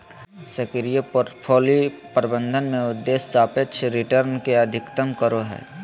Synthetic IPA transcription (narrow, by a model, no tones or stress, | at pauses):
səkɪɾijəpoːɾʈpʰoːlipɾɪbə̃nd̪ʱənmẽʊd̪ːeːst͡ʃaːpeʃʰɾɪʈəɾnkeɐd̪ʱɪkt̪əmkəɾoɦɛ̰ː